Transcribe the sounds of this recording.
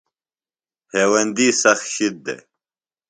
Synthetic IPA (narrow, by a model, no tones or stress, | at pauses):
heːwɐnd̪iːsɐxɕid̪̚ːḛ